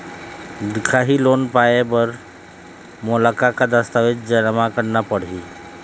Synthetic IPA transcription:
d̪ɪkʰaɦilonpaebəɾ | molakakad̪əst̪aʋet̪d͡ʒənmakəɾnapəɽ̤i

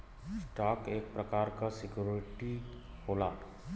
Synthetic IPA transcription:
sʈaːkeːk̚pɾɐkaːɾkasɪkjuːɾɪʈi | hoːlaː

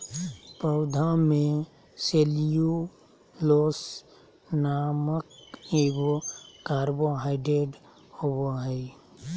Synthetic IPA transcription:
pəʊd̪ʱãmẽ | seliju | loːs | naməkebokaːɾboɦaɪɖeɖ | hoboɦəi

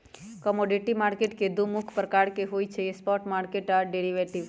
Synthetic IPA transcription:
kɔmɔɖiʈimaɾkeʈked̪umukʰpɾəkaɽkeɦojt͡ʃʰejespɔʈmaɾkeʈaɖeɾiʋeʈiʋ

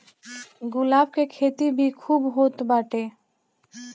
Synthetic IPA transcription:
ɡʊlaːb̚kekʰeːt̪ibʱikʰuːbɦoːt̪baːʈeː

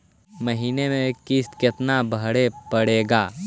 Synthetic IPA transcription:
məɦiːnemẽkɪst̪kɪt̪nabʱəɽepəɽeːɡaː

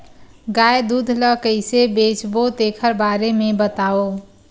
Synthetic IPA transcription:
ɡajd̪ud̪ʱləkəɪsebet͡ʃbot̪ekʰəɾbaɾemebət̪ao

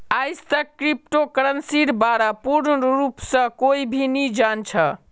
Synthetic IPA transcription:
ajst̪əkːɾip̚ʈokəɾənsiɾbaɾapuɾɾupsə̃koibʱinid͡ʒant͡ʃʰə

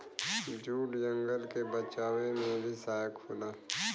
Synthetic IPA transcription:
d͡ʒuːʈjə̃ŋɡəlkebət͡ʃaːwemẽbʱisaːkʰulaː

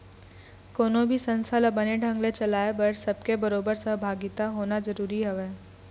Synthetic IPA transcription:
koːnõbʱisə̃nsʰələbəneɖʱə̃ŋɡlet͡ʃɐlaːebɐɾsɐb̚kebəɾoːbəɾsə̃bʱaːɡit̪aɦoːnazəɾuːɾiɦɛʋeː

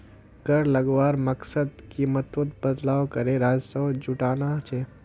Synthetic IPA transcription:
ɡəɾlɐɡʋaːɾmɐksəd̪kiːmət̪wət̪̚bəd̪laːwkəɾeɾaːd͡ʒsəd͡ʒʊʈaːnat͡ʃʰe

